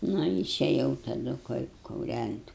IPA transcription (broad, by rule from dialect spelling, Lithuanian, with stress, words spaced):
ˈnʊ ɪʃʲɛˈjɛʊ tɐˈdʊ kʊ kʊˈrʲænʲtʲ